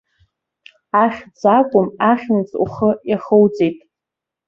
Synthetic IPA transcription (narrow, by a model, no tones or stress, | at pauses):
aχʲd͡zakʷʼʊmaχʲnɨt͡sʼṵχəjaχəwt͡sʼejtʼ